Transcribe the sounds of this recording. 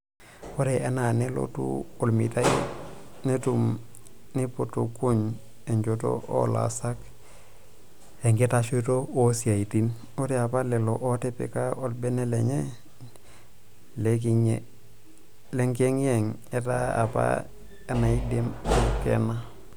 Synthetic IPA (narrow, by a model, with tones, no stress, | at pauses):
o˦ɾe˨ʔe˦na˨ne˦lo̰˦tṵ˦o˨lmi˨ta˦ḭ˦ne˦tu˦m | ni˦po˦tu˨ku˦ɲ | e˨ɲd͡ʒo˨to̰˦o̰˦la̰˨sa˦k | e˨ŋɡe˦ta˦ʃo˦to˦o˦si˨a˨i˨ti˦n | o˦ɾe˨a˨pa˦le˨lo˨ʔo˦te˦pḛ˨ka˦o˨t̚be˦ne˦le˨ɲe˦ | le˨k̬i˨ɲḛ˨ | le˦ŋke˦ŋje˨ŋ | e˦ta˦a̰˨pa̰˦ | e˦na˨i˦de˦mkḛ˨na˦